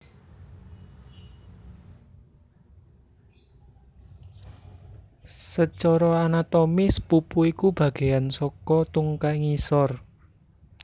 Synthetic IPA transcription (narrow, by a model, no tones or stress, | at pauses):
sət͡ʃɔɾɔanat̪omɪspupuikub̥a̤ɡ̥e̤ansɔkɔt̪uŋkaiŋisɔr